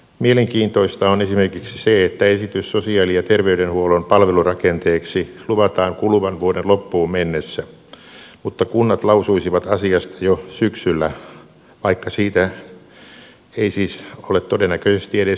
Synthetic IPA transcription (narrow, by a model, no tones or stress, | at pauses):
mieleŋkiːnt̪oist̪ɑonesimerkiksi̥seet̪ːæesit̪yssosiɑːlijɑt̪erʋeyɾenhuolompɑlʋelurɑkent̪eːksiluʋɑt̪ɑːŋkuluʋɑnʋuodenlopːuːmmenːesːæ | mut̪ːɑkunːɑt̪lɑusuisiʋɑt̪ɑsiɑst̪ɑjosyksylːæ | ʋɑikːɑsiːt̪æ | eisiːsolet̪t̪odenːækøsest̪ieɾe